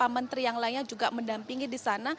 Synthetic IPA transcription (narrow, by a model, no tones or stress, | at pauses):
pamant̪ɾijaŋlaiɲad͡ʒuɡaməndampiŋidisana